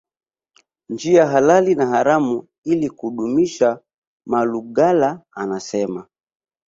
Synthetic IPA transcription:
nd͡ʒiaɦalalinahaɾamu | ilikuhuɗumiʃa | maluɡalaanasɛma

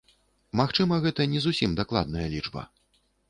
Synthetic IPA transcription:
maxt͡ʂɨmɐɣɛt̪ɐnʲɛzusʲimd̪aklˠa̰d̪̚nɐjɐlʲid͡ʐbɐ̰

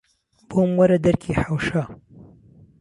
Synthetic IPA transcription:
b̥oːmwɐɾɐd̪ɐɾkʰiːħawʃaː

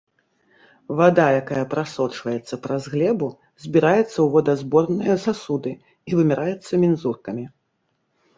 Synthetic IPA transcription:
vad̪ajakajɐpɾasɔt͡ʂvɐjɛt̪sːɐpɾɐzɣlʲɛbu | zʲbʲiɾajɛt̪sːɐwvɔd̪ɐzbɔrnɨjɐsasud̪ɨ | ivɨmʲɛɾʔajɛt̪sːɐmʲinzurkɐmʲi

